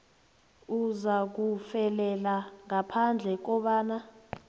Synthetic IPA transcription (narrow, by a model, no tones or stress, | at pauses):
uzak̬ufɛlɛlaŋapʰand͡ɮʱɛk̬ɔɓaːna